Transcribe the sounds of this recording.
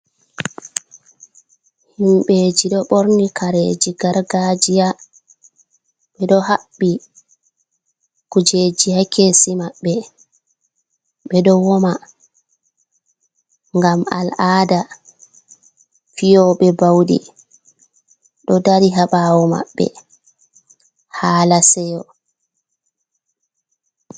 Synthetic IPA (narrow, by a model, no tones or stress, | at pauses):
himɓeːd͡ʒiɗɔɓoɾnikʰaɾed͡ʒiɡaɾɡad͡ʒija | ɓɛɗɔhaɓːi | kud͡ʒeːd͡ʒihakesimaɓːɛ | ɓɛɗɔwɔma | ŋɡama̰laːda | fijɔɓɛbawɗḭ | ɗɔdaɾiɦaɓawɔma̰ɓːɛ̰ | haːlasɛjɔ